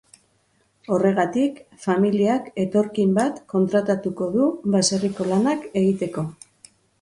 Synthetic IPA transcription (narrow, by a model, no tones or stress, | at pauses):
o̞re̞ɣ̞at̪ik | familiake̞t̪o̞ɾkimbat̪ko̞nt̪ɾat̪at̪uko̞ðuβaseriko̞lanake̞ɣit̪e̞ko̞